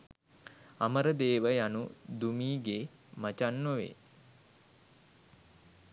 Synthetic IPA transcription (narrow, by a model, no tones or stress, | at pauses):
aməɾəd̪eːʋəjanud̪umiːɡe | mat͡ʃanːoʋḛ